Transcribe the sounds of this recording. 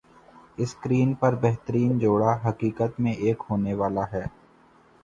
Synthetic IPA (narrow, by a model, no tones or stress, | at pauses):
ɪskɾiːnpɐɾbɛɦt̪əɾiːnd͡ʒoːɽaɦɐkiːkət̪mẽʔeːkɦoːneʋaːlaɦɛː